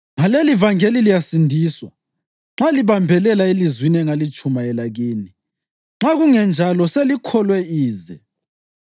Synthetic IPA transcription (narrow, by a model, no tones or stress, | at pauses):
ŋalelivaŋelilijasindʱiːswa̰ | ŋ͡ǁaliβambʱɛlɛlaelizwiniɛŋalit͡ʃʼumaɛlaɣeːni | ŋ͡ǁaɣuŋɛnd͡ʒʱalɔselikʰɔlwɛiːzɛ̰